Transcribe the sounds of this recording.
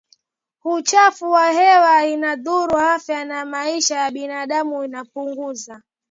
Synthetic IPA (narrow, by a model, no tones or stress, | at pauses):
hut͡ʃafuwahɛwainaðuɾuhafjanamaiʃajaɓinaɗamuinapuŋɡuza